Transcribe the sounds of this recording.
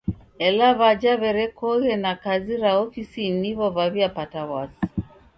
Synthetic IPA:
ɛlaβad͡ʒaβɛɾɛkɔɣɛnakaziɾaɔfisiniβɔβaβiapatawasi̥

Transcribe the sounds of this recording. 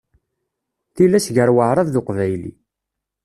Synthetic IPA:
θilːæsʝəɾwəʕɾˤɑððʊqvæjlḭ

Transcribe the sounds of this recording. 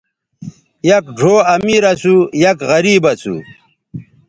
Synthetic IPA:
jɐkɖʱoːɐmiːɾɐt͡sujɐkɣɐɾiːbɐt͡sʰṵ

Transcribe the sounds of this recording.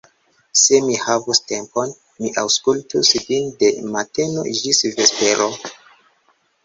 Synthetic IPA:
se̞mihavuste̞mpon | miʔawskultusvinde̞mateno̰ʒisvespe̞ɾo

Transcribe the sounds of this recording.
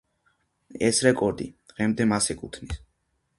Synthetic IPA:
ɛsɾɛkʼɔɾd̪ḭd̪̥ʁɛmd̪ɛmasɛkʼut̪ʰnis

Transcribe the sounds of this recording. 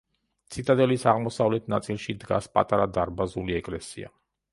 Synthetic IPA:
t̪sʰit̪ʼad̪ʼɛlisaʁmɔsavlɛt̪ʰnat̪sʼilˠʃid̪ɡa̰spʼa̰t̪ʼaɾad̪aɾbazuliɛkʼlɛsia̰

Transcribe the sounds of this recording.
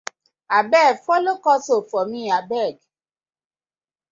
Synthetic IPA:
abɛfolokɔsofɔmĩabɛɡ

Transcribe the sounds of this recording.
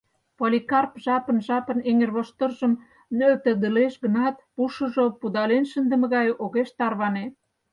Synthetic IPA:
polʲikɑrpʒɑpə̆nʒɑpə̆neŋerβoʃt̪ə̆rʒə̆m | nøt̪ə̆d̪ə̆leʃɣə̆nɑt̪̚puʃə̆ʒopud̪ɑlenʃənd̪ə̆mə̆ɣɑjʔoɣeʃt̪ɑrβɑne

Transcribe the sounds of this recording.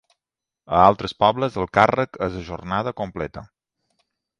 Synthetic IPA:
əalˠt̪ɾəspɔβləzəlˠkarəkəzəʒornað̞əkomplɛt̪ə

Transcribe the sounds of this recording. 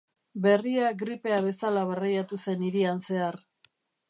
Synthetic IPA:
be̞riaɡɾipe̞aβe̞salaβarajat̪use̞niɾianse̞ar

